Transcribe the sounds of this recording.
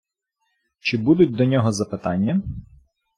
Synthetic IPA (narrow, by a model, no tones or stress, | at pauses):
t͡ʃɪbud̪ʊtʲd̪ɔnʲɔɦɔzɐpɪt̪ɑnʲːɐ